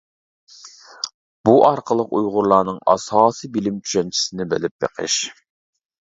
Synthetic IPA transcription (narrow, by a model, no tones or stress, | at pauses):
b̥uʔɑɾqʰəlˠəqujʁʊɾlˠɑːnɨŋɑ̰sɑːsɨbilɪmt͡ʃʰy̥ʃɛnt͡ʃʰi̥sɪnɪbɪ̰lɪp̚bḛqʰə̰ʃ